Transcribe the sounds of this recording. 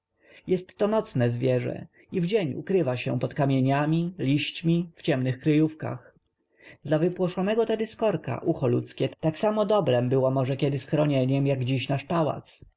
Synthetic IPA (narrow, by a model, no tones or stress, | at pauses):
jɛst̪ːɔnɔt̪snɛzvʲjɛʐɛ̰ | ivd͡ʑeɲṵkɾɘvaɕɛ̰pɔt̪kamʲjeɲamʲilʲiɕt͡ɕmʲift͡ɕɛmnɘxkɾɘjufka̰x | d̪lavɘpwɔʂɔnɛɡɔt̪ɛd̪ɘskɔɾka̰ʔuxɔlut̪skʲɛt̪aksamɔd̪ɔbɾɛmbɘwɔmɔʐɛkʲɛd̪ɘsxɾɔɲɛɲɛmjaɡd͡ʑiɕnaʂpawa̰t̪s